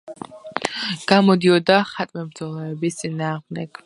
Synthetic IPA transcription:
ɡ̥amɔd̪iɔd̪aχat̪ʼmɛbɾd̪zɔlˠɛɛbist̪sʼinaːʁmd̪ɛk

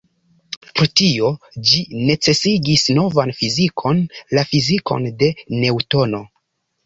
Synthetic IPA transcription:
pɾotio̞ | d͡ʒine̞t͡se̞siɡisno̞vanfizikʰo̞nlafiziko̞̰nde̞ne̞wto̞no̞

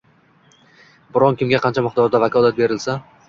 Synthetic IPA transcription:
bʊɾɒnkʲɪmɡʲaqʰɑnt͡ʃʰamɪqd̪ɒɾd̪avakʰɒlˠat̪̚be̞ɾɪlsa

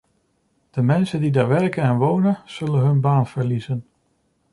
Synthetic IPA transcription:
d̥əmɛnsəndidaːɹʋɛɹkənɛnʋownənz̥ɵlənɦɵnbaːnv̥əɹlizən

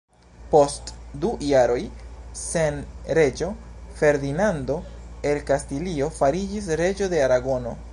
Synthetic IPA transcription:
po̞stdujaɾo̞jsenɾe̞d͡ʒo̞fe̞ɾd̪inando̞e̞lkastilio̞faɾid͡ʒis̬ɾe̞d͡ʒo̞de̞aɾaɡo̞no̞

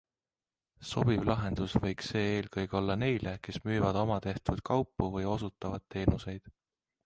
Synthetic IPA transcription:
so̞b̥ivlɑɦe̞nd̪̥usvɤjkse̞ːeːlkɤjɡ̥eo̞lːɑne̞jle̞ke̞smyːvɑd̪̥o̞mɑt̪e̞ht̪ud̪̥kʰɑwpˑːuvɤjo̞sut̪ːˑɑvɑd̪̥̚t̪ːe̞ːnuse̞jd̪̥

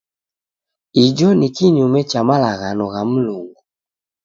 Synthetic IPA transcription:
id͡ʒɔnikiɲumɛt͡ʃamalaɣanɔɣam̩luŋɡu

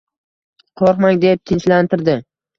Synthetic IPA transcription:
qʰoɾqmaŋd̪ep̚t̪ʰɪnt͡ʃlant̪ʰɪɾd̪ɪ

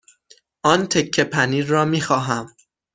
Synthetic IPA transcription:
ʔɒːnt̪ʰe̞kʰːe̞pʰæniːɒːmiːxɒːɦæm

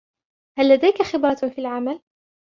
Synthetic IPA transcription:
halːad̪ajkaxɪbɾˤɑfiːlʕamal

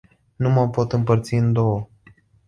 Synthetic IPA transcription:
numəmpo̞t̪ɨmpərt̪siɨnd̪o̞wə

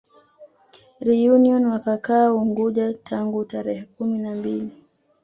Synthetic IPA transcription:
ɾijuniɔnwakakaːuŋɡuʄatʰaŋɡutaɾɛhɛkuminambili

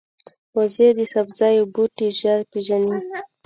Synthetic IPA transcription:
wazed̪əxabzɑjobuʈiʒaɾpeʒani

